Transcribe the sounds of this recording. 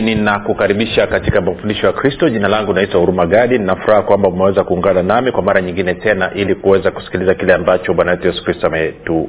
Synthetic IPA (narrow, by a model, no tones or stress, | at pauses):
ninakukaɾiɓiʃakatikamakufundiʃɔjakɾistɔʄinalaŋɡunaitahuɾumaɡaɗininafuɾahakwambaumɛwɛzakuːŋɡananamikwamaɾaɲiŋɡinɛtɛnaʔilikuwɛzaku̥si̥kilizakilɛambat͡ʃɔɓwanawɛtujɛsu̥kɾistɔamɛtu